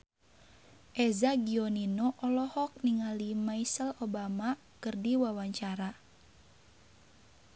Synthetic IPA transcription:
ʔɛzaɡiɔninɔʔɔlɔhɔk̚niŋalimaisəlobama | kɨrdiwawaɲt͡ʃaɾa

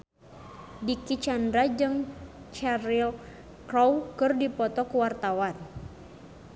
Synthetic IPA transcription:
dikit͡ʃandɾad͡ʒɨŋt͡ʃaɾil | kɾɔwkɨrdipɔt̪ɔkuwart̪awan

